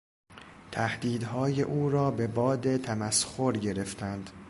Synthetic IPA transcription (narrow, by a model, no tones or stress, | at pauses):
t̪ʰæhd̪iːd̪ɦɒːje̞ʔuːɾɒːbe̞bɒːd̪e̞t̪ʰæmæsxoɾɟe̞ɾe̞ft̪ʰænd̪̥